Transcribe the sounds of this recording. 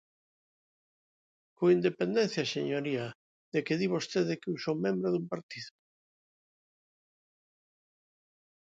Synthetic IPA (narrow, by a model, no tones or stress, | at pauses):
koind̪epend̪enθjaseɲoɾiɐ | ðekɪðiβost̪eðekeusomẽmbɾoðumpaɾt̪iðo